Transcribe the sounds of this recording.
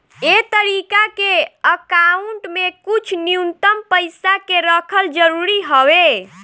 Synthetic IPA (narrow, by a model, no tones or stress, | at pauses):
et̪əɾikakeəkauɳʈmekut͡ʃʰnijunt̪əmpəɪsakeɾəkʰəld͡ʒəɾuɾiɦəwe